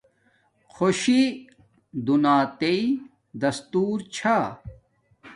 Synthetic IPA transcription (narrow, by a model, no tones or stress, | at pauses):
xʰoɕi | d̪unaːt̪ei | d̪ɐst̪uːɾt͡ɕʰa